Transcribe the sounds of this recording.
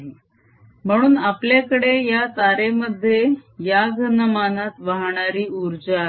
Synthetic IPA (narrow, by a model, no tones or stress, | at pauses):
m̤əɽ̃uːnapljakəɽejat̪aɾeməd̪ʱːjejaɡʱənəmanat̪ʋaɦɳ̃aɾiːuɾd͡ʑa